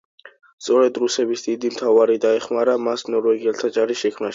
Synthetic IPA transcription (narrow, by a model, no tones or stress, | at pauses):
st̪sʼɔɾɛd̪ɾusɛbisd̪id̪imt̪ʰavaɾid̪aɛχmaɾamasnɔɾvɛɡiɛlˠt̪ʰat͡ʃʼaɾisʃɛkʰmnaʃi̥